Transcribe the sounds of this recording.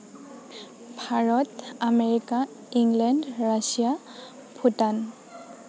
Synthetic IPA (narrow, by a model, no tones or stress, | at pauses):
bʱaɹɔtameɹika | iŋɡlɛndɹasija | pʰutan